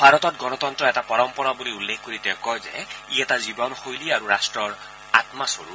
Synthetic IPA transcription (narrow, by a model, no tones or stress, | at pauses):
bʱaɹɔtɔtɡɔnɔtɔntɹɔɛtapɔɹɔmpɔɹɔbuliulːekʰkoɹitɛʊkɔjzɛ̰iɛtazibɔnxojliaɹuɹastɹɔɹ | a̰tmasoɹṵ